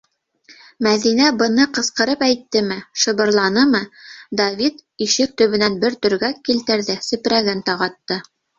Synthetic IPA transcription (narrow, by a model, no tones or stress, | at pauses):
mæðinæbɤ̆nɤqɤ̆sqɤ̆ɾɤpæjt̪ːɘmɘʃɤ̆βɤ̆ɾlˠɑnɤmɤd̪ɐvʲit̪iʃɘk̚t̪ɵ̆βɘ̆nænbɘɾt̪ɵ̆ɾɡækilt̪ɘ̆ɾðɘsɵ̆pɾæɡɘnt̪ɑʁɑt̪ːɤ